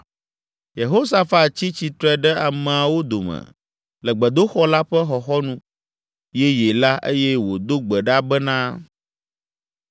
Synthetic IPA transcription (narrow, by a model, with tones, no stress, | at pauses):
je˨ɦo˦sa˨fa˦˨t̪t͡ɕi˦t͡ɕi˨t̪ɾɛ˦ɖɛ˦a˨mɛ˨a˨wo˦d̪o˨mɛ̰̃˨ | lɛ˨ɡ͡bɛ˨d̪o˦xɔ˦la˦ɸɛ˦xɔ˨xɔ˦nũ˦ | jɛ˦je˨la˦ʔḛ˦jɛ˦wo̰˨d̪o˦ɡ͡bɛ˨ɖa˦bɛ˦nã˦